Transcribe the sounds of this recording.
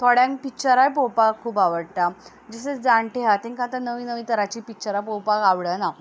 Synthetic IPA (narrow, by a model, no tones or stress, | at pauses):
t̪ʰoɽjãŋk̚pit͡ɕəɾajpowpakʰːuːpaʋəɽt̪a | d͡zəsət͡sd͡zaɳʈʰeɦat̪ẽŋkãt̪ənəʋiːnəʋiːt̪əɾat͡ɕiːpikt͡ɕəɾap̬owpakaʋɽəna